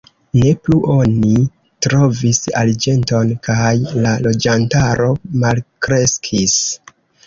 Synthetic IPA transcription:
ne̞pluʔo̞ni | tɾo̞visa̰ld͡ʒe̞nto̞nkajlalo̞d͡ʒantaɾo̞malkɾe̞skʰis

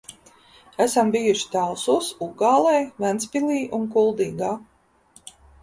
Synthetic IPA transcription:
æsambijuʃi̥t̪ælˠsusuɡɑːlˠɛjvænspilˠiːʔunkulˠd̪iːɡaː

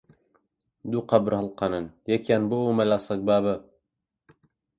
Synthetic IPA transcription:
d̪uqɑbɾhɨlˠqʰɑnɨnjɛkjaːnboomɐlaːsɐk̚baːbə

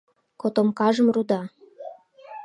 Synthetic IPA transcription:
kot̪omkɑʒə̆mrud̪ɑ

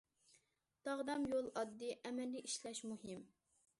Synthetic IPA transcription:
t̪ɑʁd̪ɑmjolˠɑd̪ːɨʔɛmɛlːiʔiʃlɛʃmuɦɪm

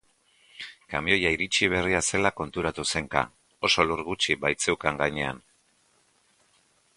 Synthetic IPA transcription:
kamio̞jaiɾit͡ʃiβ̞e̞riase̞lako̞nt̪uɾat̪use̞ŋka̰ | o̞so̞luɾɣut͡ʃiβajt͡se̞wkaŋɡaɲe̞a̰n

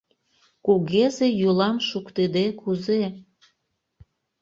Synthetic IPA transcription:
kuɣezejulɑmʃukt̪ed̪ekuze

